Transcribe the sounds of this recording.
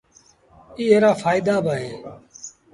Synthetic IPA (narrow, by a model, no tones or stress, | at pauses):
iːeːɾaːfaːɪd̪aːbaːɦeː